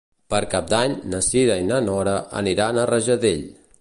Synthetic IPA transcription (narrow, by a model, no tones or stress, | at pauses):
pəɾkap̚d̪aɲnəsiðəinənɔɾəʔə̰niɾanərəʒəðeʎ